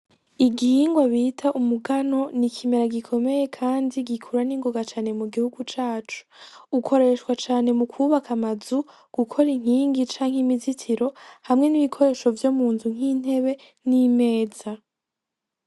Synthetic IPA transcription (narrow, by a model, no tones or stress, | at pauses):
iɡihiŋɡwaβitʰaʔumuɡano̞nikʰimeɾaɡikʰo̞me̞je̞kʰaːndiɡikʰuɾaniːŋɡoɡat͡ʃaːne̞muɡihuɡut͡ʃaːt͡ʃu̥ukʰo̞ɾe̞ʃwat͡ʃaːne̞mukʰuβakamazu | ɡ̥ukʰo̞ɾiŋ̥iːŋɡit͡ʃaːŋ̥himizitʰiɾo̞hamŋe̞niβikʰo̞ɾe̞ːʃo̞vjomuːnzuŋ̥iːn̥he̞βe̞ | nime̞ːz̥a